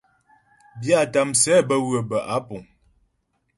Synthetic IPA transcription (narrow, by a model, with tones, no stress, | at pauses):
bja˦˨ta˨msɛ˨˦bə˦ɣwə˨bə˨ʔa˨˦pu˨ŋ